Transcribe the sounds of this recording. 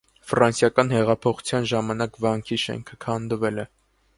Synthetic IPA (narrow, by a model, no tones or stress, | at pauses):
fɾɑnsjɑkɑn̪hɛʁɑpʰɔχu̥t͡sʰjɑnʒɑmɑnɑkvɑŋkʰiʃɛ̰ŋkʰəkʰɑnd̪əvɛlɛ